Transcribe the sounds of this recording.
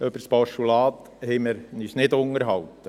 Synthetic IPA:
œbəɾsb̥ɑʃulɑːt̪ | hɛməɾnisnɪd̪ʊŋəɾɦɑwt̪ːə

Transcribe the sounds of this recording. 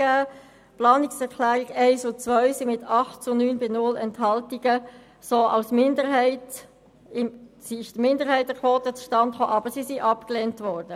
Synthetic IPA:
æː | plɑːnɪksɛɾkʰlæːʁiɡɛɪsʊt͡sʋœʏsimɪtɑχtt͡sʊnyːnbɪnʊlɛnthɑltiɡə | soːʔɑ̰ʊsmɪndəɾɦɛɪt | ɪsiɪʃd̥əmɪndəɾɦɛɪtəkʰʋoːtət͡sʃtɑntχoːʔɑbəɾsisiʔɑpklɛntʋɔrd̥ə

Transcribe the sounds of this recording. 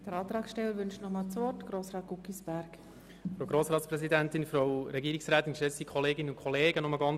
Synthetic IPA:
d̥əɾɑːt̪ɾɑːksʃtɛləɾʋʏnʃtnɔmɑːlt͡sʋɔtɡ̥ɾoːsɾɑːt̚ɡ̥ukisb̥æɾk | fɾoʊɡɾoːsɾɑːtt͡spɾɛsidæntɪnfɾoʊɾɛɡiːɾiksɾæːt̪ɪnʃɛsikʰɔleːɡɪnənʊnkʰχɔleːɡənɔməɡɑn

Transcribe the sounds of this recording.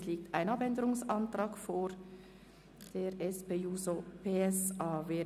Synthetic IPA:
liːk̚taɪnɑpɛndəʁʊŋsɑntʁɑːkfoːɾ | d̥eːɾɛspeːuːzopʰeːɛsɑːveː

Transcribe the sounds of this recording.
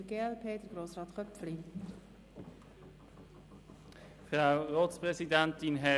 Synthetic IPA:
əɡeːɛlpʰeːdəɾɡ̥ɾoːsɾɑːt̪χœpfli | fʁawʁoːtspʁɛsidænt̪ɪnɦɛ

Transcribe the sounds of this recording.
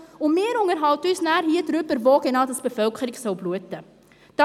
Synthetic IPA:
ɔmmːiəɾɔŋərɦɐwtusnæːrɦiətrʉpərvɑːkɛnɐtəsbəfœlˠkχriksəwbluətːə | d̥ɑ

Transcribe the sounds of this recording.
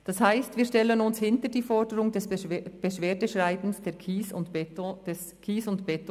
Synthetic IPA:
d̥ɑshaɪstviːʃtɛlənʊnshɪntəd̥iːfɔɹdəɾʊŋdɛsb̥əʃveːdəʃʁaɪbn̩sd̥ɛːkʰisʊtd̥ɛs | kʰiːsʊntb̥ɛt

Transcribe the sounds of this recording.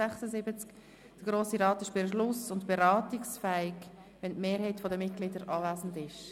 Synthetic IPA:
æχsəzɪbət͡sk | d̥əɡ̥ɾoːsiɾɑːtɪʃb̥ɪʃlʊsʊntb̥eɾɑːtɪksfɛɪk | ʋɛntmeːɾɦɛɪtfɔdəmɪt̚ɡ̥lɪdəɾʔɑːvæːzn̩dɪʃ

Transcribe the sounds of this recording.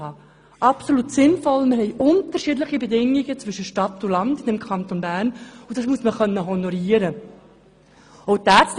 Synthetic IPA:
ɑː | ʔɑpsolutsɪnfɔlmɪɾhɛɪjʔʊnt̪əɾʃidləχibedɪŋiɡət͡svʏʃəʃtɑtːʊlɑndɪdɛmkχɑnt̪onbæːrnʊd̥ɑsmuəsməχœnːəɦɔnɔɾiəɾə | ɔʊtæːt͡st

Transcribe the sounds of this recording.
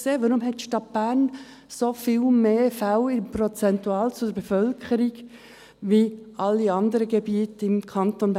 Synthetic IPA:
seːʋoɾumɦɛtʃtɑt̚b̥æɾn | sofiːlmeːfæʊɪmpɾot͡sɛnt̪uɑːlt͡sʊdəɾbɛfœlkʰəɾiɡ | ʋiʔɑlːiɑnd̪əɾəɡɛbiːtɪmkʰɑnt̪onb

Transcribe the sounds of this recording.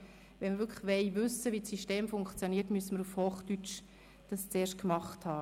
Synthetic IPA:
ʋɛnmɪɾʋʏɾkʰləχʋɛɪʋʏsəʋit͡sssiʃteːmfʊŋkχt͡sjoniətmyəsəməɾufhoːχtyt͡ʃ | d̥ɑst͡seːɾʃkmɑχthɑː

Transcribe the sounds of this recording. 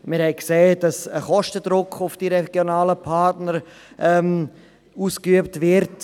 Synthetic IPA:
mɪɾhɛɪkseːd̥ɑsəχɔʃtəd̥ɾʊkʰχʊfd̥iɾɛɡ̥jonaːləpʰɑɾtnəɾ | ʔɛm | uːskyəp̚tvɪɾt

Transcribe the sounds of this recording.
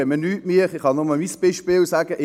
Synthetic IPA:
ɛmənyːtmiːχɪχhɑnʊməmisb̥ɪʃpɪːlsæːɡ̥əʔɪ

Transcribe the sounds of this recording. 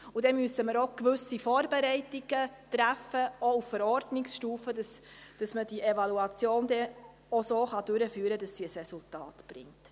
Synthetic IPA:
udɛmyəsəməɾokʋʏsifoːɾbeɾɛɪtɪɡ̥ətræfəouffəɾɔɾdnɪksʃtuːfədɑsd̥ɑsməd̥iʔevɑluɑt͡sjoːndɛ | osoːχɑd̥ʉɾəfyːəɾədɑsːiːəsrɛsultɑ̰ːtb̥ɾɪ̰ŋt

